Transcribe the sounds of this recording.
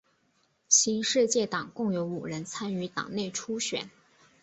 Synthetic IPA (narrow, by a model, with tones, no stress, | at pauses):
ɕi˧˥nʂɻ̩˥˧t͡ɕjɛ˥˩t̪ɑ˨˩ŋkʊ˥˩ŋjo˧˥ʊu˨˩ɻə˧˥nt͡sʰa˥ny˧˥t̪ɑ̰˨˩ŋne˥˩ɪʈ͡ʂʰu˥ɕɥɛ̰˨˩˦n